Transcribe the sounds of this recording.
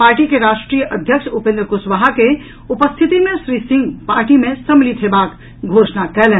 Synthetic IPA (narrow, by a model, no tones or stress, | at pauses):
paːɾʈikeɾaːʃʈɾijəʔəd̪ʱjəkʃupẽnd̪ɾəkusʋaɦake | upəst̪ʰit̪imẽʃɾisĩŋɡpaːɾʈimẽsəmlit̪ʰɦebak | ɡʱoːʃnakɛlɛ